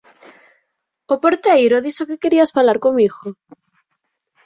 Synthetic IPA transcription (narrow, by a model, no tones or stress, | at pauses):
opoɾt̪ejɾoðisokekeɾiasfalaɾkomiɣo